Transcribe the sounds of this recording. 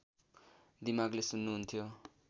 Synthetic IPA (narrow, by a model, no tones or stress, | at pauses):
d̪imaɡlesunːuɦunt̪ʰjo